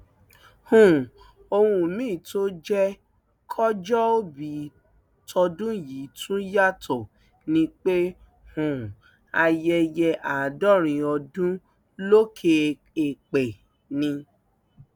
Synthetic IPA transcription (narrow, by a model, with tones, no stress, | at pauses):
hũ˨ | o˧hũ˧mĩː˦˨to˦d͡ʒɛ˦ | kʰɔ˦d͡ʒɔ˦o˦bi˨˦ | tʰɔ˧dũ˦ji˨˦tʰũ˦ja˦tʰɔ˨ | nĩ˦k͡pe˦ | hũ˨ | a˧jɛ˧jɛ˧ʔa˨dɔ˦˨ɾ̃ĩ˧ɔ˧dũ˦ | lo˦kʰe˧ | e˨k͡pe˨ | nĩ˧